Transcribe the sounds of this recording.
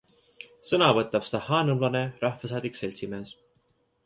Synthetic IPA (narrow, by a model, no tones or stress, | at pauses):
sɤnɑvɤt̪ːˑɑb̥se̥t̪ɑhɑːnɤmlɑne̞rɑhvɑsɑːd̪̥ikse̞lʲsime̞ːs